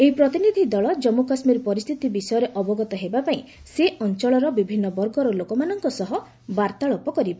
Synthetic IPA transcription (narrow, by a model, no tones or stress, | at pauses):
eipɾɔt̪inid̪ʱid̪ɔɭɔd͡ʒɔmokasmiɾpɔɾist̪ʰit̪ibisɔjɔɾeʔɔbɔɡɔt̪ɔɦebapaĩ | seʔɔnt͡ʃɔɭɔɾɔbibʱinːɔbɔɾɡɔɾɔlokɔmanɔŋkɔsɔɦɔ | baɾt̪aɭɔpɔkɔɾibɔ